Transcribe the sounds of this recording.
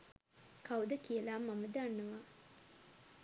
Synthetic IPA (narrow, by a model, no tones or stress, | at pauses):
kʰawd̪əkiəlaːmːaməd̪əanːəʋa